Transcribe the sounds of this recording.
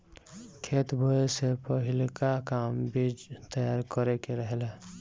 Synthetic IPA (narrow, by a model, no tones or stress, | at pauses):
kʰet̪bʱəesepəɦilkakambid͡ʒt̪əjaɾkəɾekeɾəɦele